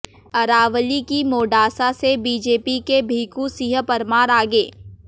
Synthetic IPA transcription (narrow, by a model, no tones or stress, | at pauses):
ɐɾaːʋlikimoːɖaːsasebiːd͡ʒeːpikebʱiːkũsiɦəpɐɾmaːɾaːɡeː